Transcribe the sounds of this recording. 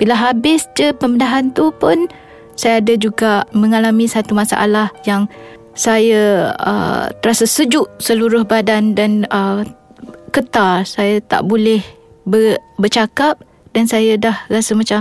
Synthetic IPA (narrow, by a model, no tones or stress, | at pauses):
b̥ilaɦabɪsd͡ʒəpəmədaɦant̪upʊn | sajaːdad͡ʒuɡaʔmə̃ŋalamĩsat̪umasa̰ʔa̰lahjaŋ | sajaə̰t̪əɾasasəd͡ʒʊʔsəluɾʊhbadandanə | kət̪arsajat̪a̰ʔbolɛh | bəbərt͡ʃakap̚ | dansajadahrasamat͡ʃa